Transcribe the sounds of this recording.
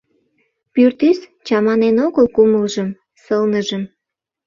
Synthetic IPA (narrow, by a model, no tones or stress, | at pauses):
pyrt̪yst͡ɕɑmɑnenoɣəlkuməlʒəm | səlnəʒəm